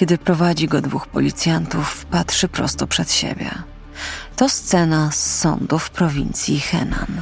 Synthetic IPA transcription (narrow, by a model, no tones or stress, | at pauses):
kʲɛd̪ɘpɾɔvad͡ʑiɡɔd̪vuxpɔ̰lʲit̪sʲjant̪ufpatʂɘpɾɔ̰st̪ɔpʂɛt̪ɕḛbʲjɛ̰ | t̪ɔst̪sɛnasːɔ̰nd̪ufpɾɔvʲint̪sʲjixɛ̰na̰n